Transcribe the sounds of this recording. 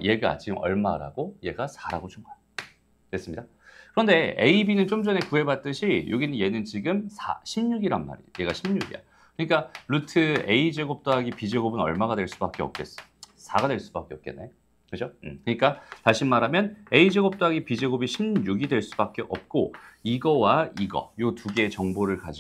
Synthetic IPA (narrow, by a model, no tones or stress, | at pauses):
je̞ɡa̰t͡ɕiɡɯmʌ̰ɭmaɾa̰ɡoje̞ɡasʰaɾaɡot͡ɕuŋɡa | twes͈ɯmɲida | kɯɾʌnde̞eibinɯnt͡ɕomd͡ʑʌne̞kuɦe̞bat̚t͈ɯɕʰijoɡinɯnje̞nɯnt͡ɕiɡɯmsʰa̰ɕʰimɲuɡiɾanmːa̰ɾḭje̞ɡaɕʰimɲuɡḭɾa̰ | kɯɲik͈aɾutʰɯe̞id͡ʑeɡop̚t͈oɦaɡipid͡ʑe̞ɡobɯnʌɭmaɡadwe̞ɭs͈u̥bak͈eʌ̰p̚k͈e̞s͈sʰaɡadwe̞ɭs͈u̥bak͈eʌp̚k͈e̞̰nːe | kɯd͡ʑʰok͈ɯɲik͈ataɕʰinmaɾɦamjʌne̞id͡ʑeɡop̚t͈oɦaɡipid͡ʑeɡobiɕʰimɲuɡidwe̞ɭs͈ubak͈eʔʌ̰p̚k͈oiɡʌwaiɡʌ̰jotuɡe̞t͡ɕʌŋboɾɯɭkad͡ʑi